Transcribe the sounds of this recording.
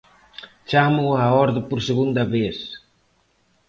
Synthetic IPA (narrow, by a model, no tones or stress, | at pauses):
t͡ʃamuaɔɾðəpuɾseɣund̪aβes